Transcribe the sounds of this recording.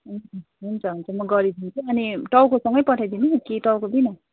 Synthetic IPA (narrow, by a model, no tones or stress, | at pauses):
ɦ | ɦunt͡sʰʌɦunt͡sʰʌmʌɡʌɾid̪ʱint͡sʰuʌniʈʌwkosʌŋɡʌjpʌʈʰajd̪inukeʈʌwkod̪inʌ